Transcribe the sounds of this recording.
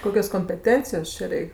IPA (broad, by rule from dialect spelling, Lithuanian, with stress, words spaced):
ˈkoːkʲoːs koːmʲpʲɛˈtʲɛnʲt͡sʲɪjoːs ˈt͡ʃʲɛ ˈrʲɛɪkʲ